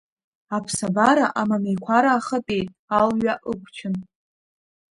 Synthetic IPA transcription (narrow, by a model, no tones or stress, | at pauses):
apʰsabaɾaʔamamejkʷʰaɾaːχəpʼe̞jtʼalɥaʔɨkʷʰt͡ʃʰɪn